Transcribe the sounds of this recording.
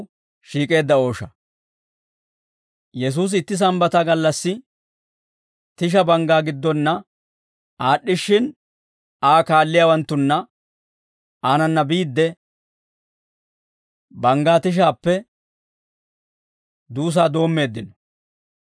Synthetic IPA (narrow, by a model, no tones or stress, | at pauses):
ʃiːkʼe̞ːd̪ːɐo̞ːʃɐ | jɛs̬uːs̬ɪt̪ːɪs̬ɐmbɐt̪ɐɡɐlːɐsːɪ | t̪ɪʃ̬ɐbɐŋɡaːɡɪd̪ːɔnːɐ | aːɗːɪʃːɪn | aːkaːlːɪjaːwɐnt̪ːʊnːɐ | aːnɐnːɐbiːd̪ːɛ | bɐŋɡaːt̪ɪʃ̬aːpːɛ | d̪uːs̬aːd̪o̞ːmːe̞ːd̪ːɪnɔ̥